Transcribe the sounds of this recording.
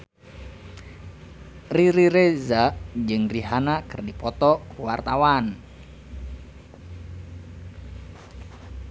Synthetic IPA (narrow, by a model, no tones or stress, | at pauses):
riɾiɾezaʔd͡ʒɨŋriɦanakɨrdipɔt̪ɔkuwart̪awan